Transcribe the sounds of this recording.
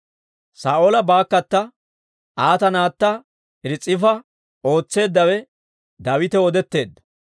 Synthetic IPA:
saːʔolɐbaːkːɐt̪ːɐ | ʔaːt̪ɐnaːt̪ːɐ | ɪɾɪt͡sʼːɪfɐ | o̞ːt͡sːe̞ːd̪ːɐwɛ | d̪ɐwɪt̪ɛɔd̪ɛt̪ːe̞ːd̪ːɐ̥

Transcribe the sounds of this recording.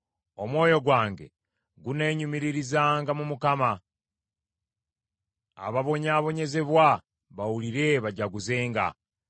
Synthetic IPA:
o̞mwo̞ːjo̞ɡwaːŋɡe̞̰ | ɡune̞ːɲumiɾiɾizaːŋɡamumukama | a̰βaβo̞ɲaːβo̞ɲe̞ze̞βwa | βawuliɾe̞βaɟaɡuze̞ːŋɡa̰

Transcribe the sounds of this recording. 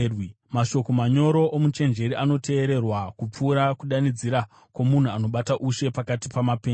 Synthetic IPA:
maʃo̞ko̞maɲo̞ɾo̞ʔomut͡ʃe̞nd͡ʒe̞ɾiʔano̞te̞ːɾe̞rwakup͡fuːɾakuɗanid͡ziɾa | kwo̞mun̤uano̞ɓataʔuʃe̞pakatipamapeː

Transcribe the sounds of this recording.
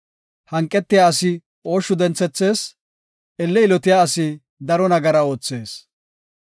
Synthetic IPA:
hɐŋkʼːɛt̪ːɪjaɐsɪ | o̞ːʃːʊd̪ɛnt͡sːɛt͡sːe̞ːs | ʔɛlːɛɪlɔt̪ɪjaːɐsɪ | d̪ɐɾɔnɐɡɐɾɐo̞ːt͡sːe̞ːs

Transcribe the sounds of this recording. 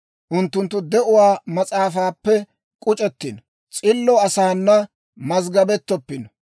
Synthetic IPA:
ʔʊnt̪ːʊnt̪ːʊd̪ɛʔʊwaːmɐt͡sʼaːfaːpːɛ | kʼʊt͡ʃʼɛt̪ːɪnɔ | t͡sʼɪlːɔɐsaːnːɐ | mɐzɡɐbɛt̪ːɔpːɪnɔ

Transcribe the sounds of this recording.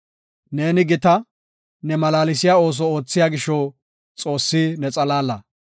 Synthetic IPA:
ne̞ːnɪɡɪt̪ɐ | nɛmɐlaːlɪs̬ɪjaːo̞ːs̬ɔo̞ːt͡sːɪjaːɡɪʃɔ | t͡sʼo̞ːsːɪnɛt͡sʼɐlaːlːɐ

